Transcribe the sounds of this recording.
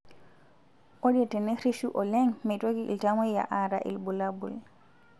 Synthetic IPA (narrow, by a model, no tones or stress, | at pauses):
ʔoɗɛtɛnɛɾiʃuʔɔlɛŋmɛjtoɡiʔḭltamɔjja̰ʔaɾaʔḭlbulabṵl